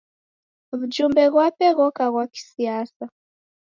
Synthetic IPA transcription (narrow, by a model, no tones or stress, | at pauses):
βud͡ʒumbɛɣwapɛɣɔkaɣwaki̥sijasa